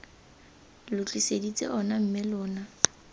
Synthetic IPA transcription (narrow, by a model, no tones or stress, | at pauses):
lʊt͡ɬʰʼisedit͡sʼḛʔɔnam̩mɪlʊːna